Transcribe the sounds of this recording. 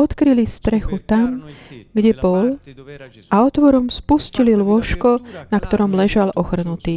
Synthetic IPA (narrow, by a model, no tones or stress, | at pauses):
ɔt̪kɾilist̪ɾɛxut̪amɡɟɛbɔl | aɔt̪ʋɔɾɔmspuscililʊɔʃkɔnakt̪ɔɾɔmlɛʒalʔɔxr̩nut̪iː